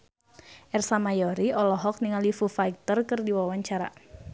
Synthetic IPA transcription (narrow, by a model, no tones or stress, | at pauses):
ʔɛrsamajɔɾiɔlɔɦɔk̚niŋalifufajk̚t̪ərkɨrdiwawaɲt͡ʃaɾa̰